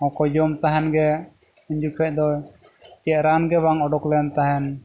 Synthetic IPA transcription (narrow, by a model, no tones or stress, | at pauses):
ɔ̃kɔd͡ʒɔmt̪aɦɛnɡɛ | uɲd͡ʒukʰɛʔ̚d̪ɔ | t͡ʃɛʔ̚ɾanɡɛβaŋɔɖɔklɛnt̪aɦɛn